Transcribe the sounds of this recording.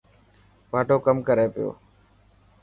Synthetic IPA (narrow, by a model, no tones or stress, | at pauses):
paːʈoːkəmkəɾeːpɪjo̰ː